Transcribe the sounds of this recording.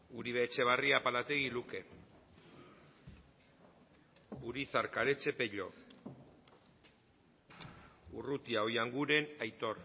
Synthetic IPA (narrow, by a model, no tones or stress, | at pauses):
uɾiβeːt͡ʃe̞β̞ariapalat̪e̞ɣiluke̞ | uɾiθaɾkaɾe̞t͡se̞pe̞ʎo̞̰ | urut̪iaojaŋɡuɾe̞najt̪o̞ɾ